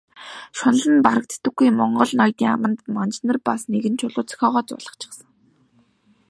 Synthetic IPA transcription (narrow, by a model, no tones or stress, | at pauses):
ʃʊnə̆ɮə̆npaɾə̆k̚t͡s̪ʰt̪ːɘ̆ɡujmɔɴɢɞ̆ɮnɔjt̪iːŋa̰mə̆nt̪mɔnt͡ɕnə̆rpasneɣɘ̆nt͡ɕʰʊɮʊːt͡s̆xʲɔːʁɔːt͡sʊ̰ːɮə̆χt͡ɕʰɪ̥̆χsə̆ŋ